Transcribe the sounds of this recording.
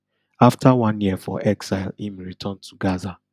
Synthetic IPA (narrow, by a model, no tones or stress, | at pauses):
aftʰawãnjiəfɔ̰ʔɛksaɪlĩmɹitʰɔ̃ntʰuɡaza